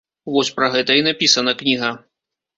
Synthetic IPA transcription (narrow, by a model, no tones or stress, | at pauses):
vɔsʲpɾɐɣɛt̪ɐinapʲisɐnɐknʲiɣɐ